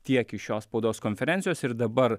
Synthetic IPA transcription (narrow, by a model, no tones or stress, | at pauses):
t̪ʲiɛkɪʃʲoːsspɔʊd̪oːskɔnʲfʲɛɾʲɛnt̪sʲɪjoːsɪɾd̪ɐbɐɾ